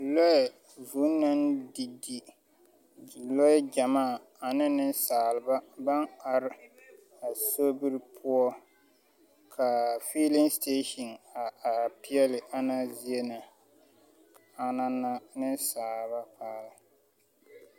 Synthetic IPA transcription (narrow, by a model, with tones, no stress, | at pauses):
lo˦ɛ˨ | vu˨˦na˦ndi˨di˨ | lo˦ɛ˦d͡ʒa˨maː˦˨ | a˨nɪ˦nɪ˦nsaː˨lɨ˨ba˦ba˦ŋa˨ɾɪ˦ | a˨so˦bɨ˦ɾɨ˦pʰu˦ɔ˦ | kʰa˨fi˦lɪ˦ŋste˦ʃɔ˨na˨a˨pi˦ɛ˦lɪ˨ʔa˦na˦zi˦e˦na˨ | a˨˦na˦na˦nɪ˦nsaː˨lβa˦paː˦lɪ˨